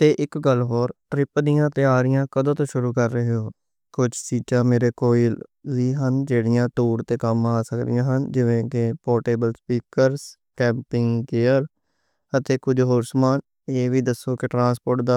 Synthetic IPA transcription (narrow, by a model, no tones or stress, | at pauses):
t̪eːʔɪkɡəlːɦoːɾʈɾɪpd̪ɪjãːt̪eːaːɾɪjãːkəd̪õːt̪õːʃʊɾuːkəɾːəɦeɦoː | kʊd͡ʒsiːt͡ʃãːmeːɾeːkoːilziːɦənd͡ʒeːɽɪjãːʈuːɾt̪eːkəmaːsəkd̪ɪ̰jãːɦənd͡ʒɪʋẽːkɪpoːʈeːbəlspiːkəɾs | kɛ̃ːmpɪŋkeːəɾ | ət̪eːkʊd͡ʒɦoːɾsmaːn | eːʋiːd̪əsːoːkɪʈɾãːspoːʈ̚d̪aː